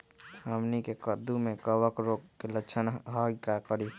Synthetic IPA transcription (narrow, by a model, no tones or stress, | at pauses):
həmnikekəd̪umekəwəkɾoɡkelət͡ʃʰənɦəɡkakəɾi